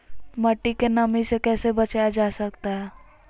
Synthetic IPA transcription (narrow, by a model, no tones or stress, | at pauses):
mɐʈːikenɐmisekɛːsebɐt͡ʃaːjad͡ʒaːsɐkt̪aɦɛː